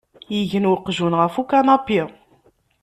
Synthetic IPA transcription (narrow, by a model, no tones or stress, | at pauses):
jiʝənwəqːʒunʁəfukanɑpːi